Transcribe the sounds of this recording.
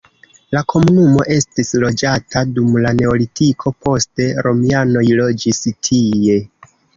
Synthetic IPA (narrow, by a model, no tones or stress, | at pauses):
lakʰo̞munumo̞̰ʔe̞stislo̞d͡ʒatʰadumlane̞o̞litʰikʰo̞po̞ste̞ɾo̞miano̞jlo̞d͡ʒistʰije̞